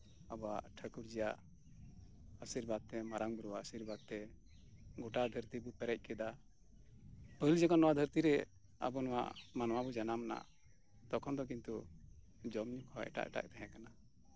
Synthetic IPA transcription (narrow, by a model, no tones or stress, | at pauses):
abɔwaʔʈʰəkuɾd͡ʒɛjaʔ | əsiɾbad̪̚t̪ɛmaɾaŋbuɾuwaəsiɾbad̪̚t̪ɛ | ɡɔʈad̪ʱəɾt̪ibupɛɾɛc̚ˀkɛd̪a | pəld͡ʒakanːɔwad̪ʱəɾt̪iɾɛ | a̰bɔnɔwa̰ʔmanwabud͡ʒanamna̰ | t̪ɔkʰɔnd̪ɔk̬int̪u | d͡ʒɔmɲukʰɔʔɛ̰ʈa̰ʔɛʈa̰ʔt̪ɛɦɛ̃kana